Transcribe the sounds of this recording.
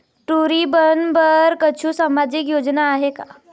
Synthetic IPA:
ʈuɾibənbəɾkət͡ɕʰũsamad͡ʑikjod͡ʑnaːɦeka

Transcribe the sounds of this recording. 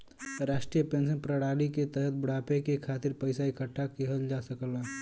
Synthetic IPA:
ɾaːʃʈɾijəpeːns̬ənpɾəɽaːliket̪əɦət̪̚bəɽ̤aːpekekʰaːt̪ɪɾpəɪsaikəʈʰːakeɦəld͡ʒasəkəla

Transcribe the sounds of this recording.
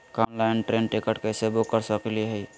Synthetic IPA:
kanlaɪnʈɾẽnʈɪkəʈkesebokːəɾsəkeliɦɛi

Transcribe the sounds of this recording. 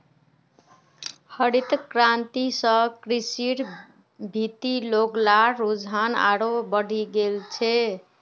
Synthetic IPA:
həɾit̪kɾant̪isə̃kɾisiɾ | bʱit̪iloɡlaɾod͡ʒɦana̰ɾobəɽ̤ʱiɡelt͡ʃʰɛ

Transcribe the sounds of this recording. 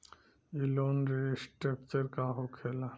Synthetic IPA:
ilonɾesʈɾek̚t͡ɕəɾkaɦokʰela

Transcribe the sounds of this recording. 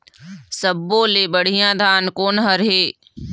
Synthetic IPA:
səbːoːleːbəɽ̤ijãːd̪ʱaːnkoːnɦəɾɦeː

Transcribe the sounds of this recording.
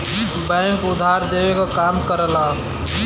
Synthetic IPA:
bɛ̃ŋkʊd̪ʱːaɾd̪ewekakamkəɾəla

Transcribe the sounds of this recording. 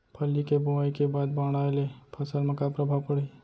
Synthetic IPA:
pʰəlːikebuaikebaːd̪bãːɽ̃aelepʰəsəlmẽkapɾəbʱaʋpəɽi

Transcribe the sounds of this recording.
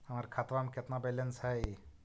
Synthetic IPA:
həmaɾikʰat̪ʋamkɪt̪nabɛlənsɦɛj

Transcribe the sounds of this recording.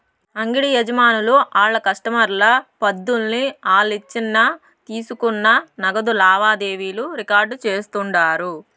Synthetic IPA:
ɐŋɡiɽijɛd͡ʒɐmaːnuluʔaːɭːɐkɐʂʈɐmɐɾlɐpɐd̪ːulniaːɭːit͡ʃːinːɐ | t̪iːsukunːɐnɐɡɐd̪ulaːʋaːd̪e̞ːʋiːluɾikaːɾɖt͡ʃe̞ːst̪uɳɖaːɾu

